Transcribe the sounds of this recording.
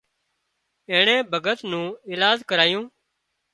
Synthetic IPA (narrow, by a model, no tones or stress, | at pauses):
eːɳẽːbʱəɡət̪nũːɪːlaːd͡ʒkəɾaːjũː